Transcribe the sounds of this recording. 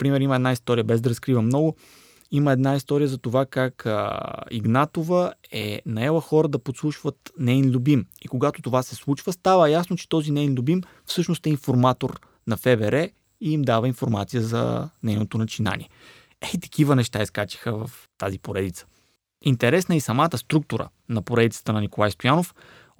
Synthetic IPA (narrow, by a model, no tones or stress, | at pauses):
pɾimɛɾiməɛd̪naist̪ɔɾijəbɛzd̪ɐɾɐskɾivəmnɔɡʊ | iməɛd̪naist̪ɔɾijəzɐt̪ovakakə̰ḭɡnat̪ovəɛ̰nɐɛlˠəxɔɾəd̪ɐpot̪slˠuʃvət̪nɛinlʲubimikoɡat̪ot̪ovasɛslˠut͡ʃvəst̪avəjasnot͡ʃɛ̥t̪ɔzinɛjnlʲubim | fsɤʃnost̪ɛinfoɾmat̪oɾ | nɐfɛbɛɾɛ | iimd̪avəinfoɾmat̪sijəzɐ̰nɛjnot̪onɐt͡ʃina̰nḭɛ | ɛit̪ɐ̥k̟ivənɛʃt̪aiskat͡ʃi̥xəvəf | t̪azipoɾɛd̪it̪sə̥ | int̪ɛɾɛsnəisɐmat̪əst̪ɾuk̚t̪uɾə̰ | nɐpoɾɛd̪it̪sə̥t̪ənɐnikolˠajst̪ojanof